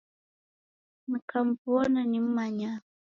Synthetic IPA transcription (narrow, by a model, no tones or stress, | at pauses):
nikʰam̩puɔnanim̩maɲa